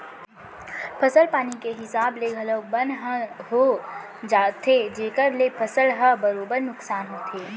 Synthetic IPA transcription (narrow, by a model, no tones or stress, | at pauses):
pʰɐsəlpaːnikeɦɪsaːbleːɡʱɐləɡ̚bə̃nɦəɦo | d͡ʒaːt̪ʰed͡ʒeːkəɾlepʰɐsəlɦəbəɾoːbəɾnʊksaːnɦoːt̪ʰeː